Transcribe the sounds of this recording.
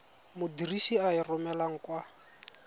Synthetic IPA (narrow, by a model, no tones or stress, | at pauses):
mʊdiriʃiairʊmɛlaŋ̩kwa